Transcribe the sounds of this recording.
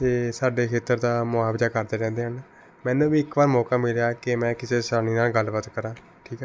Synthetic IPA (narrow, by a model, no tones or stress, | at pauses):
t̪eːsaːɖeːkʰeːt̪əɾd̪aːmʊaːbzaːkəɾd̪eːɾɛ̃ːnd̪eːɦən | mɛ̃ːnũːʋiːɪkʋaːɾmɔːkaːmɪljaːkɪmɛ̃ːkɪseːsaːñiːnaːlɡəlbət̪kəɾãː | ʈʰiːkɛː